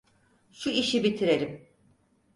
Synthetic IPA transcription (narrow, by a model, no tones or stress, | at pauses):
ʃuiʃibit̪ʰiɾe̞ɾim